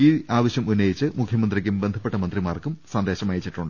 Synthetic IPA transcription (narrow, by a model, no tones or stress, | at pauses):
iːaːʋɐɕjɐmunːɐjit͡ɕːɨmukʰjɐmɐnd̪rikʲːumbend̪ʱɐpːe̞ʈːɐmɐnd̪rimaːrkumsɐnd̪e̞ːɕɐmaːjit͡ɕːiʈːuɳɖ